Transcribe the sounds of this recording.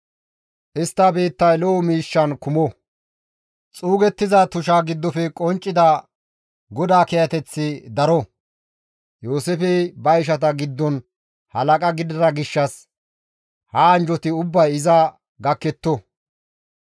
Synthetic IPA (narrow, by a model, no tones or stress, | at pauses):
ʔɪst̪ːɐbiːt̪ːɐjlɔɔmiːʃːɐnkʊmɔ | t͡sʼuːɡɛt̪ːɪzɐt̪ʊʃ̬aɡɪd̪ːɔfɛkʼɔnt͡ʃʼːɪd̪ɐ | ɡɔd̪aːkɛjɐt̪ɛt͡sːɪd̪ɐɾɔ | joːsɛfɛbɐjʃ̬ɐt̪ɐɡɪd̪ːɔn | hɐlɐkʼɐɡɪd̪ɐɾɐɡɪʃːɐs | hɐːnd͡ʒɔt̪ɪʊbːɐjɪzɐ | ɡɐkːɛt̪ːɔ